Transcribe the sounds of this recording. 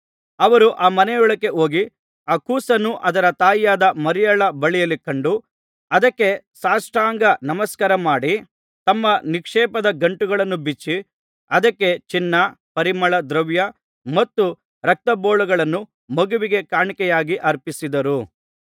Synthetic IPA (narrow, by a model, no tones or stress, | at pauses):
ɐʋɐɾuʔaːmɐnɛjɔɭɐkːe̞o̞ːɡi | aːkuːsɐnːuʔɐd̪ɐɾɐt̪aːjjaːd̪ɐmɐɾijɐɭɐbɐɭijɐlikɐɳɖu | ɐd̪ɐkːe̞ | saːsʈaːŋɡɐnɐmɐskɐɾɐmaːɽi | t̪ɐmːɐnikʂɛːpɐd̪ɐɡɐɳʈuɡɐɭɐnːubit͡ʃːi | ɐd̪ɐkːe̞t͡ʃinːɐ | pɐɾimɐɭɐd̪ɾɐʋjɐ | mɐt̪ːu | ɾɐk̚t̪ɐboːɭuɡɐɭɐnːu | mɐɡuʋiɡe̞kaːɳikɛjaːɡiʔɐɾpisid̪ɐɾu